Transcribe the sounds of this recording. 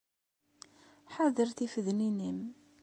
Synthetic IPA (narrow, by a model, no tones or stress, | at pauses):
ħaðəɾθifəðninim